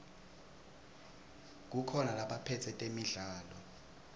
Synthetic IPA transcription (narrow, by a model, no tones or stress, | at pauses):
k̬ukʰɔnalaɓapʰɛtʰɛtʼemiɮaːlɔ